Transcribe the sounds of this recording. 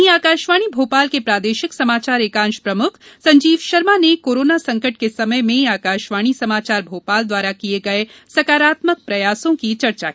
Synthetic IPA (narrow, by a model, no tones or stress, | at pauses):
ɦĩaːkaːʃʋaːɽ̃ibʱoːpaːlkepɾaːd̪eːʃɪksɐmaːt͡ʃaːɾeːkãːnʃpɾɐmʊkʰsɐ̃ɲd͡ʒiːʋʃɐɾmanekoːɾoːnasɐ̃ŋkəʈ̚kesɐməjmẽaːkaːʃʋaːɽ̃isɐmaːt͡ʃaːɾbʱoːpaːld̪waːɾakieɡɐesɐkaːɾaːt̪mək̚pɾɐjaːsõkit͡ʃɐɾt͡ʃa̰kii